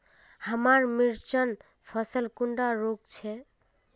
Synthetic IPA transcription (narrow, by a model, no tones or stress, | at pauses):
həmaɾmiɾt͡ʃən | pʰʌsəlkuɳɖaɾok̚t͡ʃʰɛ